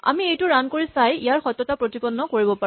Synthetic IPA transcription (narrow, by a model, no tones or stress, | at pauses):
a̰miejtʊɹankoɹisajijaɹxɔjtːɔtapɹotibɔnːɔkoɹibɔpa